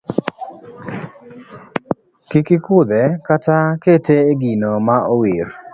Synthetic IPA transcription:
kikɪkʊd̪ɛkataketeeɡinomaowir

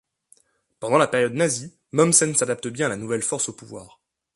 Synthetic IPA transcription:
pɑ̃d̪ɑ̃lapeʁjɔd̪nazi | mɔmsɛnsad̪ap̚t̪əbjɛ̃alanuvɛlfɔʁsopuvwa̰ːʁ

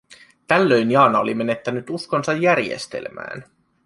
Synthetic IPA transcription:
t̪ælːø̞jnjɑːnɑo̰lime̞ne̞t̪ːænyt̪usko̞nsɑjːærjḛst̪ḛlmæ̰ːn

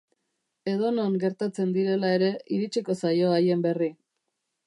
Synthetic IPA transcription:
e̞ð̞o̞no̞ŋɡe̞ɾt̪at͡se̞nd̪iɾe̞lae̞ɾe̞iɾit͡ʃiko̞sajo̞aje̞mbe̞ri

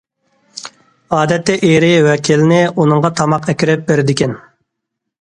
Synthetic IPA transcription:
ɑːd̪ɛt̪ʰːɛʔeɾɪwɛkʲʰilɪnɪunɨŋʁɑt̪ʰɑmɑqɛkʲiɾɪp̚beɾɪd̪ɪkʲɛn

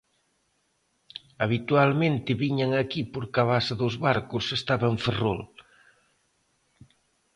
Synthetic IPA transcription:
ɐβ̞it̪ualmẽnt̪ɪβiɲaŋakipoɾkaβasɐðozβaɾkʊsest̪aβaɱfero̰l

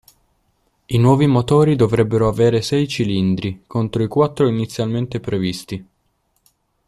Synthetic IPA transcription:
inwɔːvimot̪ɔːɾid̪ovɾɛbːeɾoaveːɾesɛjt͡ʃilind̪ɾikont̪ɾoikwat̪ːɾoinit̪sːjalment̪epɾevist̪i

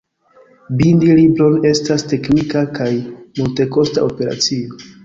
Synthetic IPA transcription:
bindilibɾo̞ne̞staste̞knikakajmulte̞ko̞sta̰ʔo̞pe̞ɾa̰t͡sio̞

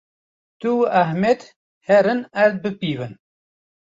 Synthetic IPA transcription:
t̪uæɦmed̪ | hɛɾɨnæɾt̪̚bɨpiːvɨn

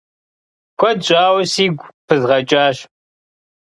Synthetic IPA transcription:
kʷʰɔdɕʼaːwsiːɡʷpʰɨzʁɐt͡ʃʼaːɕ

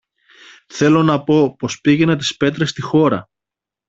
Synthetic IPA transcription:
θe̞lo̞nɐpo̞po̞spiʝenɐt̪i̥spe̞t̪ɾe̞st̪ixo̞ɾɐ̰

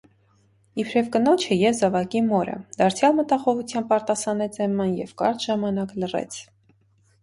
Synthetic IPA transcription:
ipʰɾɛvkənɔt͡ʃʰəjɛvzɔvɑkimɔɾə̰d̪̥ɑɾt͡sʰjɑlmət̪ɑχɔʁut͡sʰjɑmb̚pɑɾt̪ɑsɑnɛt͡sʰɛmːɑnjɛvkɑ̰ɾt̪ʒɑmɑnɑklərɛ̰t͡sʰ

